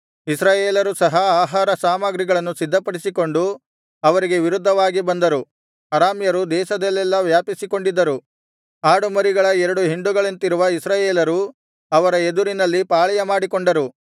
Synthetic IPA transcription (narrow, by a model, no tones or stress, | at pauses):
isɾaːjeːlɐɾusɐɦɐaːɦaːɾɐsaːmɐɡɾiɡɐɭɐnːusid̪ːɐpɐɽisiko̞ɳɖu | ɐʋɐɾiɡe̞ʋiɾud̪ʱːɐʋaːɡibɐnd̪ɐɾu | ɐɾaːmjɐɾud̪ɛːʃɐd̪ɛlːɛlːɐʋjaːpisiko̞ɳɖid̪ːɐɾu | aːɽumɐɾiɡɐɭɐɛɾɐɽuɦiɳɖuɡɐɭɐnt̪iɾuʋɐisɾaːjeːlɐɾu | ɐʋɐɾɐed̪uɾinɐlːipaːɭɐjɐmaːɽiko̞ɳɖɐɾu